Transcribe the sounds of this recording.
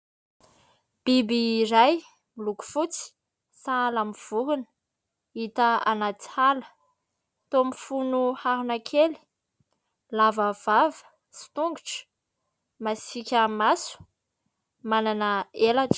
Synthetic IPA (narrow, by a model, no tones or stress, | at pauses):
b̥ibiɾaj | miluku̥fut͡si̥ | salamiv̥uɾunə̥ | it̪əa̰nat͡si̥halə̥ | t̪omifunuhaɦunakʰeli̥ | lavəv̥avə̥ | si̥t̪uŋɡuʈ͡ʂə̥ | masikʲəmasu̥ | mananəelaʈ͡ʂə̥